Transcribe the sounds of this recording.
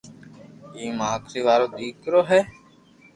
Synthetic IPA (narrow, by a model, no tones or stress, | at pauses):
iːmaːkɾiːʋaːɾoːd̪iːkɾoːɦɛː